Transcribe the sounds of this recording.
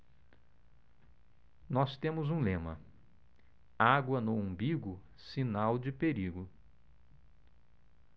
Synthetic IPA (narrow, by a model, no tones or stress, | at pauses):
nɔst̪ẽmʊzũlẽmɐ̰ | aɡwɐnoõbiɡʊ | sinawd͡ʒɪpeɾiɡʊ